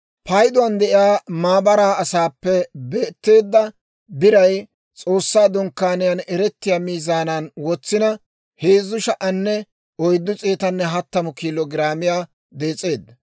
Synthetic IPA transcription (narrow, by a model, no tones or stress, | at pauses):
pɐjd̪ɔwɐnd̪ɛʔɪjaːmaːbɐɾaːɐsaːpːɛbe̞ːt̪ːe̞ːd̪ːɐ | bɪɾɐj | t͡sʼo̞ːsːaːd̪ɔŋkːaːnɪjɐnɛɾɛt̪ːɪjaːmiːzaːnanwɔt͡sːɪnɐ | heːzːʊʃɐʔɐnːɛ | ɔjd̪ːʊt͡sʼeːt̪ɐnːɛɦɐt̪ːɐmʊkiːlɔɡɪɾaːmɪjaː | d̪e̞ːt͡sʼe̞ːd̪ːɐ